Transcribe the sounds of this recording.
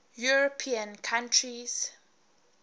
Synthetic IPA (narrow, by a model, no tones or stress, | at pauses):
juɹɔpʰiə̃nkʰãntʰɹiz̥